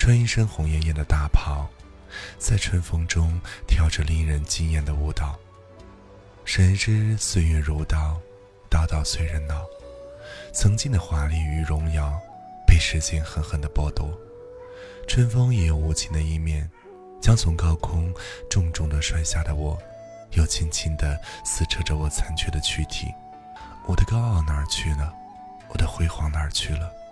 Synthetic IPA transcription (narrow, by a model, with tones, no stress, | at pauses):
ʈ͡ʂʰwə˥ni˥ʂə˥nxʊ˧˥ŋjɛ˥˧njɛ˥˩nd̪ə˩t̪a˥˩pʰɑ˧˩˦ʊ | t͡sa˥˩ɪʈ͡ʂʰwə˥nfɤ˥ŋʈ͡ʂʊ˥ŋt̪ʰjɑ˥˩ʊʈ͡ʂə˧li˥˩ɻə˧˥nt͡ɕi˥ŋjɛ˥˩nd̪ə˩u˥˩t̪ɑ˥˩ʊ | ʂə˧˥nʈ͡ʂɻ̩˥swe˥˧ɥɛ˥˩ɻu˧˥t̪ɑ˥˩ʊ | t̪ɑ˥˧˩ʊt̪ɑ˥˩ʊswe˥˩ɪɻə˧˥nnɑ˨˩˦ʊ | t͡sʰɤ˧˥ŋt͡ɕi˥˩d̪ə˩xwa˧˥li˥˩y˧˥ɻʊ˧˥ŋjɑ˧˥˩ʊ | pe˥˩ɪʂɻ̩˧˥ɕjɛ˥˩nxə˧˥nxə˨˩nd̪ə˧pwɔ˥˧t̪ɔ˥˩ | ʈ͡ʂʰwə˥nfɤ˥ŋjɛ˧˩jo˧˩ʊu˧˥˩t͡ɕʰi˥˩nd̪ə˧i˥˧mjɛ˥˩n | t͡ɕjɑ˥ŋt͡sʰʊ˧˥ŋkɑ˥ʊkʰʊ˥ŋʈ͡ʂʊ˥˧ŋʈ͡ʂʊ˥˩ŋd̪ə˨ʂwa˥˧ɪɕja˥˩d̪ə˩wɔ˨˩˦ | jo˧˩ʊt͡ɕʰi˥nt͡ɕʰi˥nd̪ə˧sɹ̩˥˩ʈ͡ʂʰɤ˥ʈ͡ʂə˧wɔ˨˩t͡sʰa˧˥nt͡ɕʰɥɛ˥˩d̪ə˧t͡ɕʰy˥t̪ʰḭ˨˩˦ | wɔ˨˩d̪ə˦kɑ˥ʊɑ˥˩ʊnə˞˨˧˥t͡ɕʰy˥˩nə˩ | wɔ˨˩d̪ə˦xwe˧˥ɪxwɑ˧˥ŋnə˞˧˥t͡ɕʰy˥˩lə˩